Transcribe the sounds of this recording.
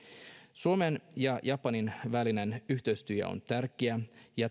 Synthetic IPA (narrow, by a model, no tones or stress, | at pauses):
suomenjɑjʔɑpːɑninʋæline̞nyçt̪ø̞ɥst̪yæ̰o̰nt̪ærkeæjɑ